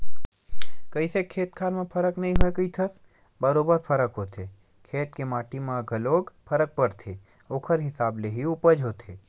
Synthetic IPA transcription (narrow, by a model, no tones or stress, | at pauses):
kəisekʰeːt̪̚kʰaːɾmẽpʰəɾəknɐɦĩɦoekəit̪ʰəs | bəɾoːbəɾpʰəɾəkɦoːt̪ʰe | kʰeːt̪kemaːʈimãɡʱəloːɡpʰəɾək̚pəɾt̪ʰe | oːkʰəɾɦɪsaːbleɦiʊpəd͡ʒɦoːt̪ʰḛː